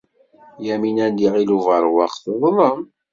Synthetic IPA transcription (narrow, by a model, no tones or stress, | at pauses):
jæminæd̪iʁiluvʁəɾˤwɑqθəðˤlˤəm